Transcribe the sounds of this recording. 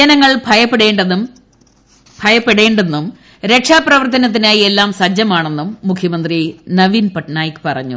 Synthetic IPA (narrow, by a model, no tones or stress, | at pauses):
ɐnɐŋːɐɭbʱɐjɐpːeɽeːɳɖɐum | bʱɐjɐpːe̞ɽe̞ːɳɖe̞nːum | ɾe̞kʂaːprɐʋɐrt̪ɐnɐt̪̬ːinaːjie̞lːaːmsɐd͡ʑjɐmaːɳe̞nːumːukʰjɐmɐnd̪rinɐʋinpɐʈnaːjkɨ̥pɐrɐ̰ɲːṵ